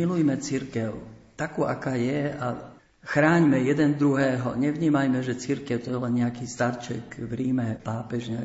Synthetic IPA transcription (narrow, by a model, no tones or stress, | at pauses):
ilujmɛt͡siɾkɛʊt̪akuːʔakaːjɛa | xɾaːɲmɛjɛd̪ɛnd̪ɾuɦɛːɦɔ̰ɲɛʋɲiːmajmɛʒɛt͡siɾkɛʊt̪ɔjɛlɛnɲɛakiːst̪aɾt͡ʃɛkʋɾiːmɛpaːpɛʒɲɛa